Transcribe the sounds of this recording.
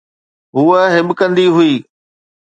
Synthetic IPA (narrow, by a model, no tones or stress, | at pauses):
ɦuːəɦɪɓkə̃nd̪iɦʊiː